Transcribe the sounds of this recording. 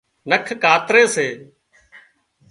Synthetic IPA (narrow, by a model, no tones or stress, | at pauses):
nəkʰkaːt̪ɾeːseː